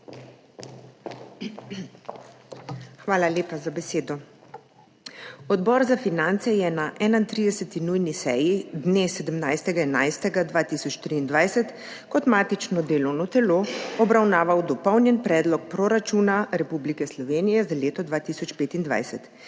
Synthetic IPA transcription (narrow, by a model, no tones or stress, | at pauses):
xʋaːlaleːpazabɛseːd̪ɔ | ɔd̪bɔɾzafinant̪sɛjɛnaʔɛːnaint̪ɾiːd̪ɛsɛt̪inujnisɛjid̪nesɛd̪əmnajst̪ɛɡaɛna̰jst̪ɛɡad̪ʋaːt̪iːsɔt͡ʃt̪ɾiːnd̪ʋajsɛt̪ | kɔt̪maːt̪it͡ʃnɔd̪eːlɔwnɔt̪ɛloɔbɾawnaːʋawd̪ɔpɔwnjɛnpɾɛːd̪lɔk̚pɾoɾat͡ʃuːnaɾɛpublikɛslɔʋeːnijɛzaleːt̪ɔd̪ʋaːt̪iːsɔt͡ʃpeːt̪ind̪ʋa̰jsɛt̪